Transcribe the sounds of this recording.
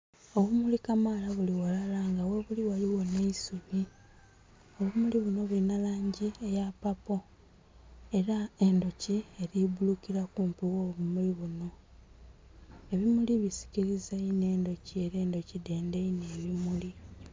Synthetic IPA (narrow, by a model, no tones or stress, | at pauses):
o̞βumulikamalaβuliwalalaŋɡaweβuliwaliwo̞ne̞isumi | o̞βumuliβuno̞βulinalaːɲɟiejapapo̞ | e̞ɾae̞ndo̞cieɾibulukiɾakuːmpiwoːβumuliβuno̞ | e̞βimuliβisi̥ciɾizeine̞ːndo̞cie̞ɾe̞ːndo̞cide̞ːndeine̞ːβimuli